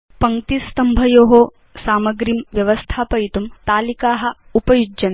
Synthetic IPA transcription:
pɐŋt̪ist̪ɐmbʱɐjoːɦoː | saːmɐɡɾimʋjɐʋɐst̪ʰaːpɐjt̪umt̪aːlikaːɦɐ | upɐjud͡ʒɐn

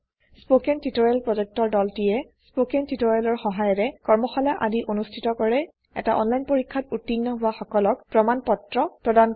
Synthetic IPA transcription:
spokɛntitɔɹalpɹɔd͡ʒɛk̚tɔɹdɔltijɛ | spokɛntitoɹjalɔɹxɔɦajɔɹɛkɔɹmɔxalaʔadiʔonustʰitɔkɔɹɛ | ɛ̰taʔɔ̰nlajnpoɹikʰːatutːinːɔɦʊwaxɔkɔlɔk̚pɹɔmanpɔtɹɔpɹɔdan

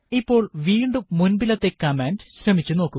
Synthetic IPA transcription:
ipːo̞ːɭʋiːɳɖuːunbilɐt̪ːe̞kɐmendɨ̥ɕrɐmit͡ɕːuno̞ːkːu

